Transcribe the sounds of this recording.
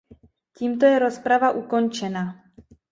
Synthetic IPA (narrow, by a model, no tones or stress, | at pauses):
ciːmt̪ojɛɾospɾavaʔukont͡ʃɛnaː